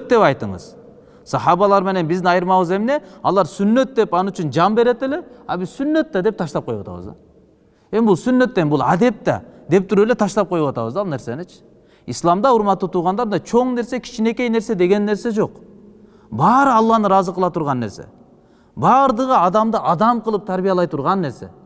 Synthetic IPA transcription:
t̪̚d̪e̞pɑjt̪ɯŋɴɯ̰z̥ | sɑhɑβɑlˠɑɾme̞ne̞nbizd̪inɑjɯɾmɑβɯze̞mne̞ɑ̰lˠɑɾsynːø̞t̪̚d̪e̞pɑnyt͡ʃynd͡ʒɑmbe̞ɾe̞t̪ele̞ɑbizsynːø̞t̪ːɑd̪e̞p̚t̪ʰɑʃtlɑp̚qo̞juwa̰ɑt̪ɑ̰βɯ̰zd̪ɑ̰ | e̞mbulˠsynːø̞t̪ːe̞nbulˠad̪e̞p̚t̪ɑ̰d̪e̞p̚t̪ʰyɾøelet̪ʰɑʃlɑp̚qʰo̞juwɑt̪ɑ̰βɯzd̪ɑlˠne̞ɾsenet͡ʃʰɪ̥ | islˠɑmd̪ɑuɾmɑt̪ːut̪ʰuɾʁɑnd̪ɑɾɑt͡ʃʰo̞ɴne̞ɾsekʲʰi̥t͡ʃine̞ke̞jne̞ɾse̞d̪e̞ɡe̞nːe̞ɾse̞d͡ʒo̞q | bɑːɾɯɑlˠːɑnɯɾɑzɯqɯlˠɑt̪ʰuɾʁɑnːe̞ɾse̞̰ | bɑːɾd̪ɯʁɯɑd̪ɑmd̪ɯʔɑd̪ɑmqʰɯlˠɯp̚t̪ʰaɾbijɑlˠɑjt̪ʰuɾʁɑnːe̞ɾse̞̰

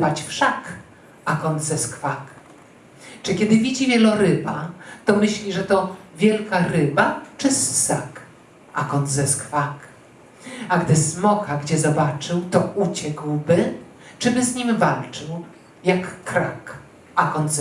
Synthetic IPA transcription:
vat͡ɕfʂak | akɔnt̪zɛskfak | t͡ʂɘkʲɛd̪ɘvʲid͡ʑivʲjɛlɔɾɘbat̪ɔmɘɕlʲiʐɛt̪ɔvʲjɛlkaɾɘbat͡ʂɘsːak | a̰kɔnt̪zɛskfak | aɡd̪ɘsmɔkaɡd͡ʑɛzɔbat͡ʂɘwt̪ɔʔut͡ɕɛkwbɘ | t͡ʂɘbɘzɲimvalt͡ʂɘw | jakːɾak | akɔnt̪z

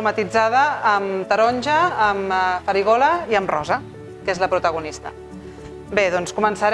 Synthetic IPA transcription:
umət̪id͡zaðəːmt̪əɾɔnʲʒəːmfəɾiɣ̞ɔləiəmrɔzə | kezləpɾut̪əɣ̞unist̪ə̰ | beðɔnskumənsəɾ

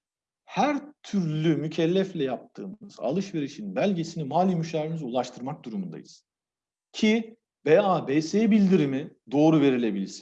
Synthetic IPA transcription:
hæɾt̪ʰyɾlʲymycʰɛlʲːɛflʲɛjap̚t̪ʰɯːmmɯz̥a̰lˠɯʃve̞ɾiʃinbælʲɟe̞sinimaːlʲimyʃaːɾimizulˠaʃt̪ʰɯɾmak̚d̪uɾumund̪a̰jɯz̥ | cʰi | beaːbeseːbilʲd̪iɾimid̪o̞ːɾuve̞ɾilʲe̞bilʲiɾsin

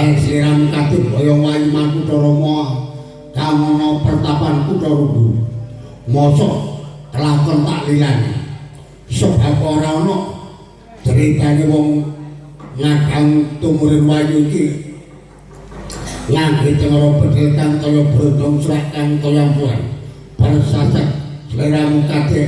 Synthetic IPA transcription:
siɾamkad̪̥ɪnkɔjɔwajimankuʈɔɾɔmɔɔ | kaŋɔnɔpərt̪apankuʈɔɾuɡu | mɔsɔkəlakɔnpa̰ʔliŋanḛ | səbʱapɔɾaɔnɔʔ | d̪̥əɾed̪̥aniwɔŋ | ŋaɡaŋt̪umuɾɪnwajuiki | laŋɡet͡ʃəŋəlɔbə̤d̪ɾet̪ankajɔb̥ɾod̪ɔŋswaʔkankəjampua̰n | b̥aɾəsasək̚t͡ʃəkeɾamuk̪ad̪̥e

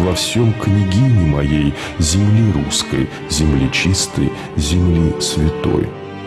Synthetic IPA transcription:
vɐfsʲomknʲɪɡʲinʲɪmɐjej | zʲɪmlʲiɾuskə̰j | zʲɪmlʲit͡ɕist̪ə̰j | zʲɪmlʲisvʲɪt̪o̞̰j

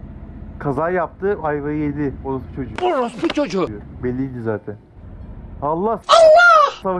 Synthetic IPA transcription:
kʰazaːjap̚t̪ʰɯajvajed̪ʲɪolˠust͡ʃʰo̞d͡ʒuolusput͡ʃʰod͡ʒʊbɛlʲːid̪ʲizaːt̪ʰɛn | halˠːahaːasav

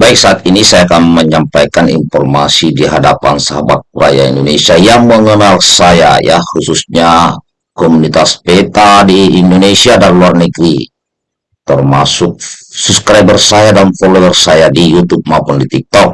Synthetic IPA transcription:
baik̚saːt̪̚inisajakamməɲampajkanḭɱfɔrmasidiɦadapa̰nsaɦaba̰t̪̚uɾa̰ja̰ḭndonesiajaŋməŋənalsaja̰ja̰hususɲa | kɔmunit̪aspet̪adiːndonesiadanluarnəɡɾi | t̪ərmasuk̚suskɾabɛrsajadanfoloɛrsajadijut̪ub̚maupundit̪ik̚t̪ɔk̚

